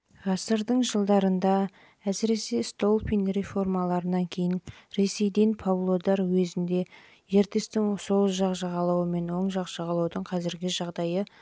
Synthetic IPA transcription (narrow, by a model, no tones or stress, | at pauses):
ʁɑsəɾd̪əɴʒəlˠd̪ɑɾənd̪ɑ | æsɪɾe̞se̞st̪o̞lˠpinre̞fo̞rmɑlˠɑɾənɑŋkʲʰe̞jɪnɾe̞se̞jd̪enpʰavlˠo̞d̪ɑɾwɵzɪnd̪e̞ | je̞ɾt̪e̞st̪ɪŋsoʒɑqʒɑʁɑlˠɑwəme̞nwo̞ɴʒɑqʒ̥ɑʁɑlˠɑwd̪əɴqʰɑzɪɾɡʲɪʒɑʁd̪ɑjə